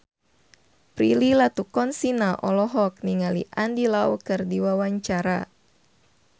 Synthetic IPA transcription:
pɾililat̪ukɔnsinaʔɔlɔɦɔk̚niŋaliʔandilaukɨrdiwawaɲt͡ʃaɾa̰

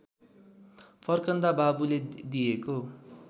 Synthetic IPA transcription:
pʰʌrkʌnd̪ababuled̪ijeko

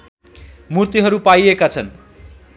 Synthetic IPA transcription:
murt̪iɦʌɾupajekat͡sʰʌn

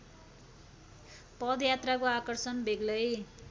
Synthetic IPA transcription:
pʌd̪jat̪rakoakʌrsʌnbʱeɡlʌj

